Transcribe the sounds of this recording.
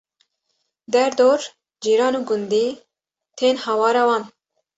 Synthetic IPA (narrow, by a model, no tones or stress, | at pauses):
d̪ɛɾd̪oːɾ | d͡ʒiːɾɑːnuːɡund̪iː | t̪ʰeːnhɑwɑːɾɑwɑːn